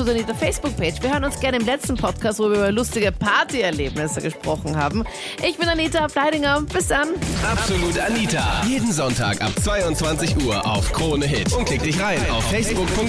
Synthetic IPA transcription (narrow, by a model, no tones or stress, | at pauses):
uzaniːtɐfɛɪsb̥ʊk̚pʰeːt͡ʃv̥iːɐhøːʁənʊnsɡ̥ɛɐnəɪmlɛt͡stn̩pʰɔtkʰaːst̚voːvːɐyːbɐlʊstɪɡəpʰaɐtiɛɐleːbnɪsəɡəʃpʁ̥ɔχn̩ha̰ːbm̩ | ʔɪçb̥ɪnaniːtaflaɪɾɪŋɐb̥ɪsd̥anʔapz̥oluːtaniːtajeːdn̩zɔntʰa̰ːka̰pt͡sv̥aɪʊntt͡sv̥ant͡sɪçʔuːɐʔa̰ʊfkʁ̥oːnəɦɪtʊnt̚ʰlɪk̚td̥ɪçʁaɪna̰ʊffɛɪsb̥ʊkpʰʊŋ